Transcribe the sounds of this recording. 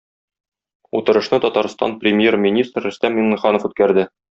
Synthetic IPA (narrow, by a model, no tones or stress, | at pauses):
ut̪ɤ̆ɾɤ̆ʃnɤt̪ɒt̪ɑɾst̪ɑ̰nprʲɪmʲjermʲinʲist̪rːɵ̆st̪æminːiχɑnŏfʉt̪̚kæɾd̪ɘ